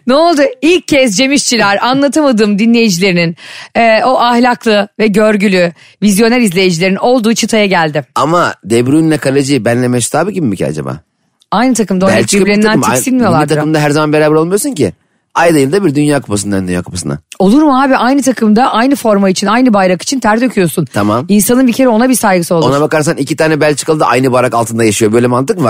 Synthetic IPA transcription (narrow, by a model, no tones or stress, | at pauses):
nɛolˠd̪uilʲc̚ʰːɛsd͡ʒe̞miʃt͡ʃʰilʲæɾanlˠat̪ʰamad̪ɯmd̪inlʲe̞jid͡ʒilʲe̞ɾininɛːo̞ʔahlʲaklˠɯvɛɟø̞ɾɟylʲy | vizjo̞næɾizlʲe̞jid͡ʒilʲe̞ɾino̞lˠd̪uːt͡ʃʰɯt̪ʰajaɟælʲd̪ɪamad̪ebɾynlʲɛkʰalˠed͡ʒɯbænlʲemɛʃt̪ʰaːbɯɟʲibimicʰa̰d͡ʒa̰ba̰ː | ajnɯt̪ʰakɯmd̪aɛlʲt͡ʃiklʲeaænmiasinʲmijo̞lˠbaiɾt̪ʰaɯmd̪aɦæɾzamanbeɾaːbɛɾo̞lˠmijosuncʰi | ajd̪ajɯlˠd̪abiɾd̪ynjaːku̥pasɯnd̪and̪ynja̰ːkʰu̥pʰasɯna̰o̞lˠuɾmuɦaːbiʔajnɯt̪ʰakʰɯmd̪aʔajnɯfo̞ɾmait͡ʃʰinajnɯbajɾaki̥t͡ʃʰint̪ʰæɾt̪ø̞cʰyjo̞sunt̪ʰamaminsanɯnbicʰe̞ɾɛo̞nabisajɡɯsɯo̞lˠounɾabakaɾsanicit̪ʰaːnɛbælʲt͡ʃʰɯ̥kʰɯlˠd̪ɯʔa̰jnɯbajɾakalˠt̪ʰɯnd̪ajaʃɯjo̞bølʲɛmant̪ɯkvaɾ